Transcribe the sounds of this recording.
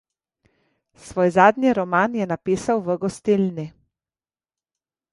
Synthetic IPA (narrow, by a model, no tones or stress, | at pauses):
sʋoːjzaːd̪niɾɔmaːnjɛnapiːsawʋəɡɔst̪ilni